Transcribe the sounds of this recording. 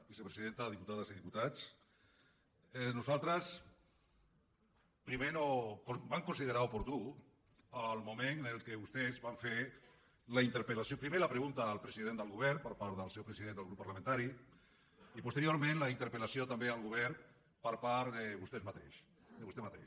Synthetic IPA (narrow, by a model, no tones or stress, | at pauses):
bisepɾeziðent̪aðiput̪aðəziðiput̪at͡s | nuzalˠt̪ɾəs | pɾimeɾokobaŋkunsiðeɾaupuɾt̪u | alˠmumennəlˠkeβust̪ezβaɱfeɾ | laint̪əɾpelasjopɾimelapɾeɣunt̪aːlˠpɾəziðend̪əlˠɣuβɛɾpəɾpaɾðəlˠsɛwpɾəsiðend̪əlˠɣupːaɾlamẽnt̪aɾi | ipust̪eɾioɾmẽnlaint̪əɾpelasiot̪ambealɣuβ̞ɛɾ | pəɾpaɾðeβust̪ezmat̪ḛʃ | d̪əβust̪emat̪ḛʃ